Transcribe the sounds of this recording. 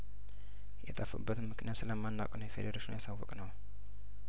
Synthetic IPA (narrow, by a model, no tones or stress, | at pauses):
jɛt̪ʼəfə̰bːət̪ɨnmɨknijat̪sɨləmːanːakʼnəwjɛfed̪əɾaʃinjasawːɔkʼnəw